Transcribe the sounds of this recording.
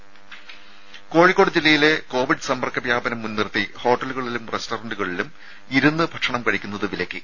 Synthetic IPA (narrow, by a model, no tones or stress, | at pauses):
ko̞ːɻikːo̞ːɽɨd͡ʑilːɐjile̞ko̞ːʋiɖɨsɐmɐrkʰːɐbjaːbɐnɐmːunːirt̪iho̞ːʈːɐluɣɐɭilumrestoːrɐɳɖuɣɐɭilum | iɾunːɨbʱɐkʂɐɳɐmkɐɻikʲːunːɐðɨʋilɐkʲːɨ